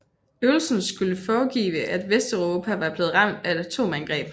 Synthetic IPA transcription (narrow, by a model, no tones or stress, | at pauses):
øʊl̩sn̩sɡ̥uləfɒːɡ̥ḭːʋəʔæd̥ʋesd̥oʊʁo̝pʰæʋɑb̥le̝ːð̞̩ˠʁɑ̈m̰d̥æe̝d̥æt͡sʰo̝̰ːmænɡ̥ʁɛ̰ːb̥